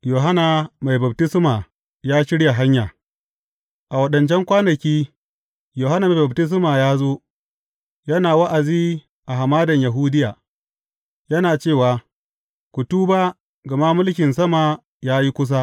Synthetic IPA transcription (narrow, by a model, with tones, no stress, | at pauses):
joː˨ɦa˦na˨ma˨jba˨b̚tɪ˦sɪ˦maː˨ | jaː˦ʃɪ˦ɽja˨ɦa˦ɲjaː˨ | ʔa˨wɐ˨ɗɐ˨nt͡ʃɛ˦ŋkʷaː˦nɐ˨kʲiː˦ | joː˨ha˦na˨m˨ba˨btɪ˦s̬maː˨jaː˦zoː˦ | jɐ˦naː˨wa˦ʔa˨ziː˦ | ʔa˨ɦa˨maː˦dɐ˨ɲja˨ɦuː˦dɪ˦jaː˨ | jɐ˦naː˨t͡ʃeː˦˨waː˨ | kʷu˨tuː˦ba˦ | ɡɐ˨ma˦mʊ˦lkʲɪ˨ns̬ɐ˦ma˨ | jaː˦ji˦kʷʊ˦s̬a˦